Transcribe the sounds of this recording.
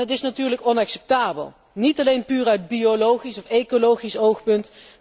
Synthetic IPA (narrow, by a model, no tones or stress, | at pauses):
ɦətɪsnatyːɹləkɔnɑksɛp̚taːbə̰lˠ | nitɑlejnpyːrœɥd̚biolowχisɔfejkolowχisowχpɵnt